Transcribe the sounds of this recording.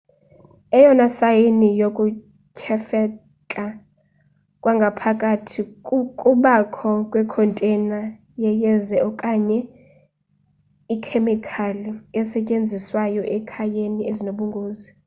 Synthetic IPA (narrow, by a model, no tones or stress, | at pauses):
ɛjɔnasajenijokʼu | cʰɛfɛ | kʼa | kʼwaŋɡʱapʰakʼatʰikʼuɓakʰɔkʼwɛkʰɔntʼɛna | jɛjɛzɛɔkʼaɲɛ | ikʰemikʰaliɛsɛcʼend͡zʱiswajɔʔɛkʰajeniezinoɓuŋɡʱoːzi